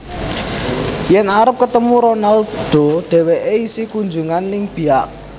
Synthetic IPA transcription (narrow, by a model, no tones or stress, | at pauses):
jɛnaɾəp̚kət̪əmuɾonald̪̥o̤ɖ̪̥ɛ̤weʔeisikund͡ʒuŋanːɪŋb̥i̤aʔ